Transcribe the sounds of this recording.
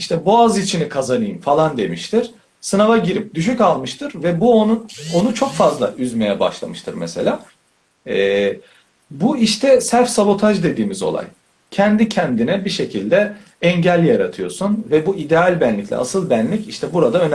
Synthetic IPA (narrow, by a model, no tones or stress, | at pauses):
iʃt̪ʰɛbuazit͡ʃʰinikʰazanɯjɯmfalˠand̪e̞miʃt̪ʰiɾ̥ | sɯnavaɟiɾip̚d̪yʃ̬ycalˠmɯʃt̪ʰɯɾvɛbuonuo̞nut͡ʃʰo̞kfazlˠa̰ʔyzme̞jɛba̰ʃlˠa̰mɯʃt̪ʰɯ̰ɾmeselʲaː | ɛ | buiʃt̪ʰɛsæɾfsabo̞t̪ʰaʒd̪e̞d̪iːmizo̞̰lˠa̰j | cʰɛnd̪icʰɛnd̪inɛbiʃecʰilʲd̪ɛ | ɛɲɟælʲjaɾat̪ʰɯjo̞sunvɛbuʔid̪ealʲbɛnlʲicʰlʲɛ̰a̰sɯlˠbænlʲiciʃt̪ʰɛbuɾad̪aøn